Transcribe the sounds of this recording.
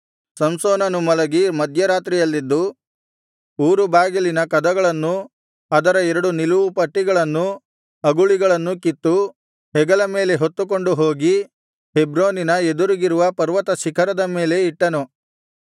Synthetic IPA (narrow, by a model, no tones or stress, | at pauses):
sɐmsoːnɐnumɐlɐɡimɐd̪ʱjɐɾaːt̪ɾijɐlːid̪ːu | uːɾubaːɡilinɐkɐd̪ɐɡɐɭɐnːu | ɐd̪ɐɾɐɛɾɐɽuniluʋupɐʈːiɡɐɭɐnːu | ɐɡuɭiɡɐɭɐnːukit̪ːu | hɛɡɐlɐme̞ːle̞ɦo̞t̪ːuk̬o̞ɳɖuɦoːɡi | ɦebɾoːninɐed̪uɾiɡiɾuʋɐpɐɾʋɐt̪ɐʃikʰɐɾɐd̪ɐme̞ːle̞iʈːɐnu